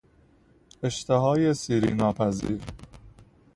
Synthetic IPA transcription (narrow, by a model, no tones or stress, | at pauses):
eʃt̪ʰeɦɒːjesiːɾḭːnɒːpʰæzḭːɾ